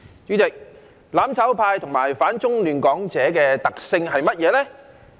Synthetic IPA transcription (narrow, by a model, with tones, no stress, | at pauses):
t͡ʃyː˨˧˥t͡sɪ˨k̚ | laː˨˥mt͡sʰɐ˨˥wpʰaː˧jt̪ʰʊ˨˩ŋmaː˨˩jfaː˨˥nt͡sʊ˥ŋlyː˨˩nkɔː˨˥ŋt͡sɛː˨˥kɛː˧t̪ɐ˨k̚sɪ˧ŋɦɐ˨jmɐ˥t̚jɛː˨˧lɛː˥